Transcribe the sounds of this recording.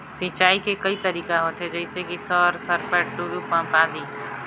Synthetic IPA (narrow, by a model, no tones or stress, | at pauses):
sĩt͡ʃaːikekɐit̪əɾiːkaɦoːt̪ɦed͡ʒɛɪsekisəɾsəɾpəʈɖulupãpãːd̪iː